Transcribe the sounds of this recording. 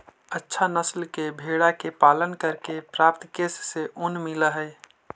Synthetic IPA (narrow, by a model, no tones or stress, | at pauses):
ətːʃʰanəslkebʱeɽakepalənkəɾkepɾap̚t̪kesːeʔunmiləɦəj